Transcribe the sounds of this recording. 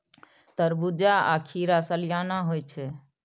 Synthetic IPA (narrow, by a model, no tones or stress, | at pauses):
t̪əɾbud͡ʒaa̰kʰiɾasəljanaɦojt͡ʃʰɛ